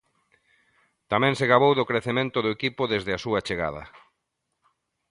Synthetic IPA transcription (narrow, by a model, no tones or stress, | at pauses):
t̪amɛ̃ŋseɣaβowðokɾeθemẽnt̪ʊðoekipʊðezðɪasuɐt͡ʃeɣa̰ð̞ɐ̰